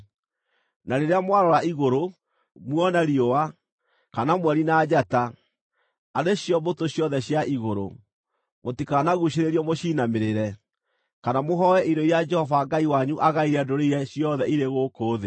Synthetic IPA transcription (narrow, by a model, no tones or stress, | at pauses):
naɾeɾeamwaɾɔɾaiɣoɾo | mwɔnaɾiowa | kanamwɛɾinad͡ʒataː | ɾeɕjɔbotoɕjɔðɛɕjaʔiɣoɾo̰ | motikaːnaɣuɕeɾeɾiɔmoɕiːnameɾeɾɛ | kanamoɦɔɛʔiɾɔiad͡ʒɛhɔvaɡaiwaɲuʔaɣaiɾɛdoɾeiɾɛɕjɔðɛiɾeɣokoːðe